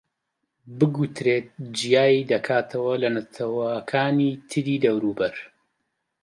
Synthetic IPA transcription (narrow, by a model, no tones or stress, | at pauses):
bɨɡut̪ɾeːt̪̚d͡ʒijaːjid̪ɐkʰaːt̪ʰɐwɐlɐnɐt̪ʰɐwɐkʰaːnit̪ʰɨɾiːd̪ɐwɾuːbɐɾ